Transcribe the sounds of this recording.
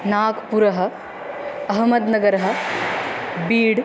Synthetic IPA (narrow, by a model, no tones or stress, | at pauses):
naːkpuɾɐɦɐ̆ | ɐɦmɐd̪nɐɡɐɾɐɦɐ̆ | biːɽ